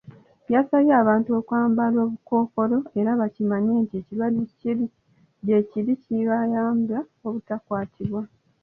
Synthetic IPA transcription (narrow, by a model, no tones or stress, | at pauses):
βjaːsaβjeaːβaːntuo̞ːkwaːmbalwo̞ːβuko̞ːko̞lo̞e̞ɾaβacimaɲeːntie̞cilwaducii | jeciɾiciβajaːmba | o̞βutakwaːtʰiβwa